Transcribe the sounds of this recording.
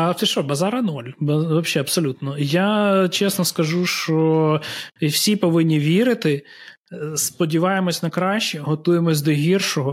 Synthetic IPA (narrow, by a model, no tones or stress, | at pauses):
ɐɛʃɔbɐzɑɾɐnɔlʲbɐʋɔbʃʲːɛɐpsɔlʲut̪nɔjat͡ʃɛsnɔskɐʒuʃt͡ʃɔ | wsʲipɔʋɪnʲːiʋʲiɾɪt̪ɪ | spɔdʲiʋɑjemɔsʲnɐkɾɑʃt͡ʃɛɦɔt̪ujemɔsʲd̪ɔɦʲirʃɔɦɔ